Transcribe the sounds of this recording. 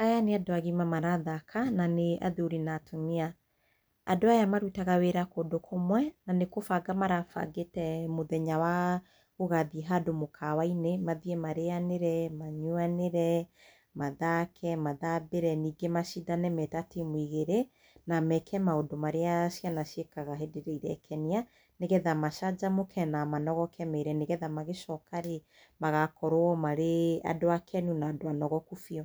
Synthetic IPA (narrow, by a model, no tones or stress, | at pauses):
ajaneadoaɣimamaɾaðakʰananea̰ðeoɾinatʰonea | adoajamaɾuitaɣaweɾakodokʰomwɛnanekofaɡamaɾafa̰ɡetɛmoðɛɲawa | oɣaðiɦadomokʰawainemaðiɛmaɾeaneɾɛmaɲwaneɾɛ | maðakʰɛmaðabeɾɛniːɡemaʃidanɛmɛtatimwiɣeɾe | namɛkʰɛmaodomaɾeaʃjanaʃjekaɣaɦedeɾɛiɾɛkʰɛnia | neɣɛðamaʃad͡ʒamokʰɛnamanɔɣɔkʰɛmeɾɛneɣɛðamaɣeʃɔkaɾe | maɣakɔɾoɔmaɾea̰doakʰɛnunaːdoanɔɣɔkufiɔ